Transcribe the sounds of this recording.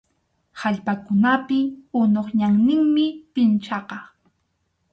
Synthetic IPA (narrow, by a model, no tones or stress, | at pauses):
haʎpakʊnapɪʊnoχɲaŋnɪŋmɪpɪnt͡ʃɑqɑ